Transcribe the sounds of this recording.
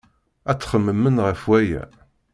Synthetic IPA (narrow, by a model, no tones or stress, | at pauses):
æt͡sːχəmːəmːənʁəfwæjæ̰